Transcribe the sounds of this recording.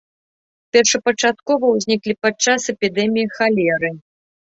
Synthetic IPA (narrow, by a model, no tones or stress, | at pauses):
pʲɛrʂɐpɐt͡ʂat̪̚kɔvɐwzʲnʲiklʲipat͡ʂasɛpʲid̪ɛmʲijixalʲɛɾɨ